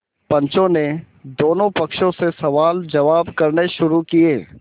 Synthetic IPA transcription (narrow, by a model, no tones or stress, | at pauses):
pɐ̃ɲt͡ʃõne | d̪oːnõpɐkʃõsesɐʋaːld͡ʒɐʋaːbkɐɾneʃʊɾukieː